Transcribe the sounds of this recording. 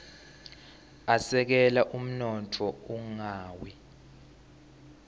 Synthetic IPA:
asɛk̬ɛlaʔum̩nɔtʰɔuŋaːwi

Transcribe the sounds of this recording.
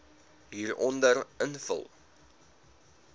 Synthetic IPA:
ɦiːrɔndərənfə̰lˠ

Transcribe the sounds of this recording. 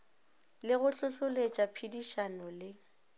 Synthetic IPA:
lɪɣʊɬʊɬʊlet͡ʃʼapʰidiʃanɔlɪ

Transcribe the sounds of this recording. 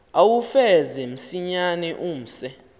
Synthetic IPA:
awufɛzɛm̩siɲanɛʔum̩sɛ

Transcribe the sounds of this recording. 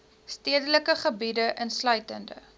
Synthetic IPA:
stiədələkəχəbidəʔənslœɥtəndə̰

